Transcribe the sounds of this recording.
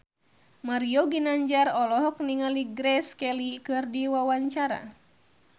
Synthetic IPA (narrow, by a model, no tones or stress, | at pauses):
maɾiɔɡinaɲd͡ʒarɔlɔɦɔk̚niŋaliɡɾɛskɛlikɨrdiwawaɲt͡ʃaɾa̰